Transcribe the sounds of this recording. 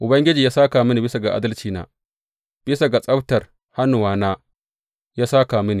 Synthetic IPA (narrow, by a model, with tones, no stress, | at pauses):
ʔʊ˨bɐ˦ŋɡʲɪ˦d͡ʒiː˨jaː˦saː˦ka˨mɪ˦ni˨bɪ˦sa˨ɡa˨ʔa̰˦dɐ˦lt͡ʃiː˦na̰ː˦ | b̥ɪ˦sa˨ɡa˨sʼɐ˦btɐ˨r | ha˦nu˨waː˦naː˦ | jaː˦saː˦kaː˨mɪ˦ni˨